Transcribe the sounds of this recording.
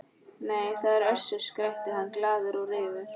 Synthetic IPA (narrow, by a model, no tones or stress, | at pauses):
neːjθaðɛɾœ̥sʏɾskɾɛht̪ɪhanːklaːðʏɾɔɣrɪːvʏɾ̥